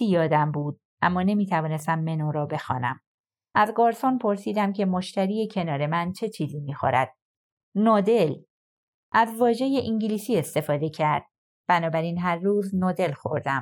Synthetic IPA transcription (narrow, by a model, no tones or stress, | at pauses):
ijɒːd̪æmbuːd̪̥̚ | ʔæmːɒːne̞miːt̪ʰævɒːne̞st̪æmːe̞noːɾɒːbe̞xɒ̰ːnæ̰m | ʔæzɡɒːɾsɒnpʰo̞ɾsiːd̪æmcʰe̞mo̞ʃt̪æɾiːje̞cʰe̞nɒːɾe̞mænt͡ʃʰe̞t͡ʃʰiːziːmiːxo̰ɾæ̰d̪̥̚ | nɒːd̪e̞l | ʔæzvɒːʒe̞je̞ʔiɲɟiliːsiːe̞st̪e̞fɒːd̪e̞cʰæɾd̪̥̚ | b̥ænɒːbæɾiːnɦæɾːuːznoːd̪e̞lxo̞̰ɾd̪æm